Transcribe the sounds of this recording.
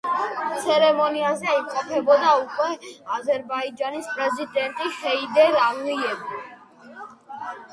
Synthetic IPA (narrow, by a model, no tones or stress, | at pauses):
t̪sʰɛɾɛmɔniazɛimqʼɔpʰɛbɔd̪aukʼwɛazɛɾbaid͡ʒanispʼɾɛzid̪ɛnt̪ʼiʃɛid̪ɛlaliɛbi